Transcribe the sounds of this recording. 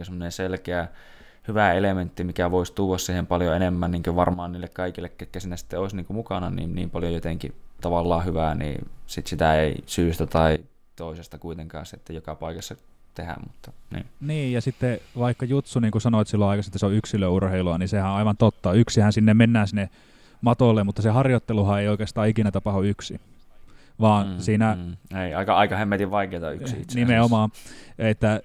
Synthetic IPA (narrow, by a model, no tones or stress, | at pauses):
kosemːoneselkeæ | hyʋæelement̪ːimikæʋoist̪uːʋːˑɑssiːhempɑljoenemːænniːŋkøʋɑrmɑːnniːlːekkɑikilːekkːekːæsinːæsi̥t̪ːeoˑisniːŋkumukɑnɑnḭːnnḭːmpɑljojot̪eŋkḭt̪ɑʋɑlːɑːhyʋænḭːsit̪sit̪æeisyːst̪æt̪ɑi | t̪oˑisest̪ɑkuit̪eŋkɑ̰ːnset̪ːæjokɑpɑikɑsːɑ | t̪ehæ̰mmut̪ːɑnḭːniːjɑsit̪ːeʋɑikːɑjut̪suniːŋkusɑnoet̪silːoɑikɑset̪ːæseoyksiløurheiluɑnisehæõɑiʋɑnt̪ot̪ːɑyksihænsinːemmenːæːsinːe | mɑt̪olːemut̪ːɑsehɑrjot̪ːeluhɑeioˑikeːst̪ɑːikinæt̪ɑpɑhoyksḭ | ʋɑːnsiːnæeiɑikɑɑikɑhemːet̪iʋʋɑikeˑːt̪ɑyksḭit̪snimeomɑːet̪ːæ